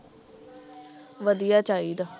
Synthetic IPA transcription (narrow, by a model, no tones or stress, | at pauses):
ʋəd̪ijaːt͡ʃaːiːd̪aː